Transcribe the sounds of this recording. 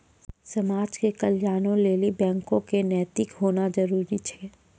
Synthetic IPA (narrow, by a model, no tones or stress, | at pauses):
sɐmaːd͡ʒkekɐljaːnõleːlibɛ̃ːŋkõkenɛːt̪ɪkɦoːnad͡ʒɐɾuːɾit͡ʃʰɛː